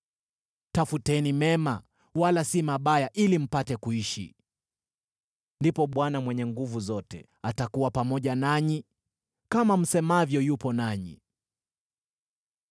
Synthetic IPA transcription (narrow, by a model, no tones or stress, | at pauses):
tafutɛnimɛma | walasimaɓajaʔilim̩patɛkuiʃḭ | ndipɔɓwanamwɛɲɛŋɡuvuzɔtɛ | atakuwapamɔʄanaɲi | kamam̩sɛmavjɔjupɔnaɲḭ